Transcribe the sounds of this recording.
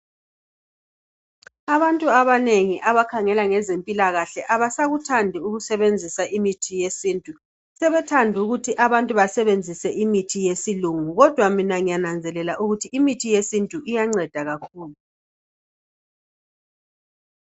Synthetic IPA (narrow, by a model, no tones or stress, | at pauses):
aβantʼuaβaneŋiʔaβakʰaŋɛlaŋɛzempʼilaɣaɬɛʔaβasaɣutʰandʱiuɣusɛβend͡zʱisaʔimitʰijesiːntʼu | sɛβɛtʰandʱuɣutʰiʔaβantʼuβasɛβend͡zʱisɛʔimitʰijesiluŋuɣɔd̥ʱwaminaŋijanand͡zʱɛlɛlaʔuɣutʰiimitʰijesintʼuʔijaŋ͡ǀɛd̥ʱaɣakʰuːlu